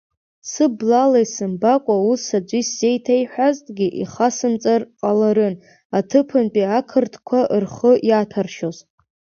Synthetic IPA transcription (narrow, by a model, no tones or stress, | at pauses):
sɨblalajsɨmbakʷʼausad͡ʒʷisːe̞jtʰajħʷᶣaztʼɡʲiʔiχasɨmt͡sʼarqʼalaɾɨn | atʰɨpʰɨnpʼiakʰɨrtʰkʷʰaʔɨrχəʔjatʰarʃozʼ